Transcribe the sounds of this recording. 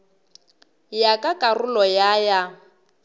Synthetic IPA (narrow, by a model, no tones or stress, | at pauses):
jakʼakʼarʊlɔjaja